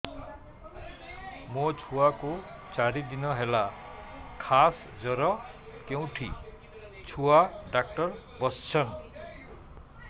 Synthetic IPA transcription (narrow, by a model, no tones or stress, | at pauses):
mʌt͡sʰuwako | t͡saɾid̪inʌɦela | kʰas | d͡zʌɾʌ | kew̃ʈʰḭ | t͡sʰuaɖak̚ʈʌr | bʌst͡sʰʌn